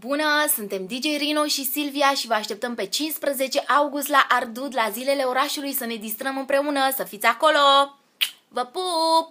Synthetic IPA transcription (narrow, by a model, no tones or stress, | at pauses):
bunəsunt̪e̞md̪id͡ʒe̞jɾinoʃisilviaʃivəaʃt̪e̞p̚t̪əmpe̞t͡ʃinspɾəze̞t͡ʃe̞ʔawɡust̪laʔard̪ud̪lazile̞le̞o̞ɾaʃulujsəne̞d̪ist̪ɾəmɨmpɾe̞unəsəfit̪sʲako̞lo̞ | vəpup̚